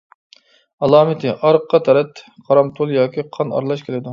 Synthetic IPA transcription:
ɑlˠɑːmɪt̪ʰɪʔɑɾqːɑt̪ʰɛɾɛt̪qʰɑɾɑmt̪ʰulˠjɑːkʲʰiqʰɑnɑ̰ɾlˠɑʃkʲʰelɪd̪u

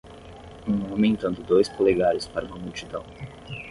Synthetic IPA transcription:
ũõmẽẽnt̪ɐ̃nd̪ʊd̪ojskoleɡaɾʊspaɾɐũmɐmuwt͡ʃid̪ɐ̃w̃

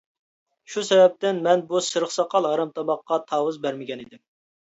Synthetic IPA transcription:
ʃusɛvɛp̚t̪ɪnmɛnbusɨɾəχsɑqʰɑlˠɦɑɾɑmt̪ʰɑmɑqːɑt̪ʰɑːwɨzbæɾmɪɡʲɛnid̪ɪm

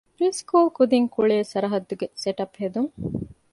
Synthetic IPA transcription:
ɾiskuːlkud̪iŋkuɭeːsɐɾɐɦɐd̪ːuɡeseʈɐphed̪uŋ

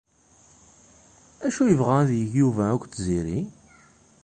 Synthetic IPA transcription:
æʃujəvʁææðjəʝjuvæækʷːt̪ːziɾi

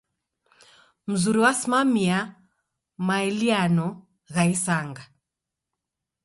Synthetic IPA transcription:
m̩zuɾiwasimamia | maɛlianɔ | ɣaisaŋɡa

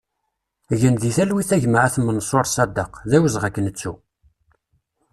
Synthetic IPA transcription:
ʝənðiθælwiθæʝməʕæθmːənsˤoɾˤsˤɑd̪ɑqðæwəzʁækːənət͡sːu

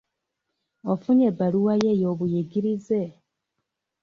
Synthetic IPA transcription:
ofuɲebaluwajejo̞ːβujiɡiɾize

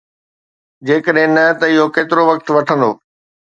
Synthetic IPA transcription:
d͡ʑeːkəɗɦɪ̃nɐt̪ɐɪɦokeːt̪ɪɾoʋɐk̚t̪ʋɐʈʰə̃nd̪o̰ː

